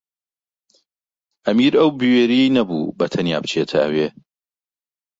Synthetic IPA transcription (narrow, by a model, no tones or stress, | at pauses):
ʔɐmiːɾɐwbiweːɾijɛjnɐbṵbɐt̪ʰɐnja̰ːbɨt͡ʃʰet̪ʰɐʔɐ̰weː